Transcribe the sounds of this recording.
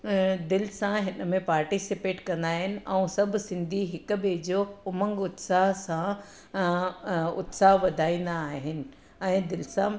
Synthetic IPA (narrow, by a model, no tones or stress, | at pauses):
d̪ɪlɪsãɦɪnmẽpaːɾʈisɪpeːʈkɐ̃nd̪aːɦɪnɪ̆ʔɛ̃ũsɐbʱsɪ̃nd̪ʱiɦɪkʊ̆ɓed͡ʑoʊmə̃ŋɡʊt̪saɦsã | ʊ̰t̪saɦʋɐd̪ʱaːĩːn̆d̪aːɦɪnɪ̆ | ɛ̃ːd̪ɪlɪsã